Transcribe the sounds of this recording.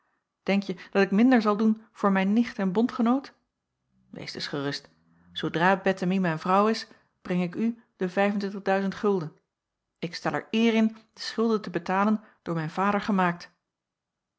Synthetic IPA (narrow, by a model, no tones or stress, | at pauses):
d̥ɛŋkjəd̥ɑtɪkmɪndəɹzɑlˠdunv̥ʊːɹmɛjnːɪχtɛnbɔntχənowt | ʋḛjsd̥ə̰sχərɵst | sowdraːbɛtəmimɛjnvrʌwɪs | b̥rɛŋɪky | d̥əvɛjvəntʋɪntəʁdœɥzəntχɵlˠdən | ɪkstɛlˠɛ̰ɹɪːrɪnd̥əsχʏlˠdəntəbətaːlənd̥ʊːɹmɛjnvaːdəɹχəmaːk̚t